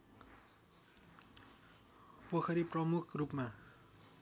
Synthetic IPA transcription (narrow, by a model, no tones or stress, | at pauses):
pʌkʰʌɾiprʌmukʰrupma